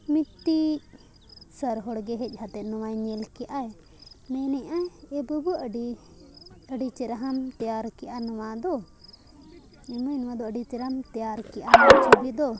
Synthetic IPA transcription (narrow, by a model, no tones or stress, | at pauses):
mit̪ːi | səɾɦɔɽɡɛɦɛc̚ˀhat̪ɛt̪̚nɔwajɲɛlkɛʔaj | mɛ̃nɛʔʔaɛbəbuəɖi | əɖit͡ʃɛɾaɦamt̪ɛjaɾkɛʔanɔwad̪ɔ | ɛmujnɔwad̪ɔəɖit͡ʃɛɾamt̪ɛjaɾkɛʔanat͡ʃʰubid̪ɔ